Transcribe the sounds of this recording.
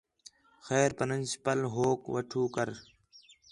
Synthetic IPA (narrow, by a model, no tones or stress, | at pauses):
xeːɾpənənspɐlɦoːkʋəʈʰuːkəɾ